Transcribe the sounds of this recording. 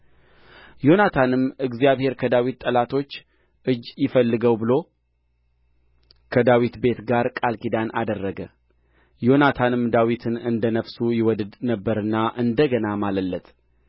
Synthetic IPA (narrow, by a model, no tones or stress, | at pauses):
jo̞nat̪ʰanɨmɨɡzijaβhe̞ɾkʰəd̪awit̪t̪ʼːəlat̪ʰo̞t͡ʃː | ʔɨd͡ʒːjɪfəlːɨɡəwbɨlo̞ | kʰəd̪awit̪be̞t̪ɡaɾkʼalkid̪ana̰d̪ərːəɡə | jo̞nat̪ʰanɨmd̪awit̪ʰɨnɨnd̪ənəfsujɪwɔd̪ɨd̪nəbːəɾɨnːaʔɨnd̪əɡənamaləlːət̪